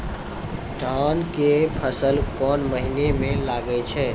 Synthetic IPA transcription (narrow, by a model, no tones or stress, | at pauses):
d̪ʱankepʰəsəlkɔnməɦinemẽlaɡət͡ʃʰɛ